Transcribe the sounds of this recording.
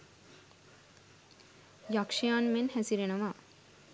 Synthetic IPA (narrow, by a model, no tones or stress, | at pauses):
jakʂijaːnmenhæsiɾenəʋaː